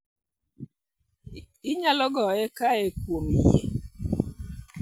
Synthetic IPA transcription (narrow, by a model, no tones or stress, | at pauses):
iɲalɔɡɔekaekwomijḛ